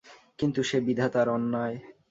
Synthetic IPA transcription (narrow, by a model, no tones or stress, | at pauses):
kint̪uʃebid̪ʱat̪aɾɔnːae